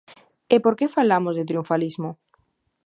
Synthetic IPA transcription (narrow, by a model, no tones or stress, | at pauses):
epoɾkefalamozðet̪ɾiuɱfalizmo